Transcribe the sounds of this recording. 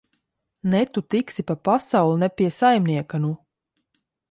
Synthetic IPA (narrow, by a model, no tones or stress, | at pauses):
nɛt̪ut̪iksipapasawlˠunɛpʲiɛsajmniɛkanu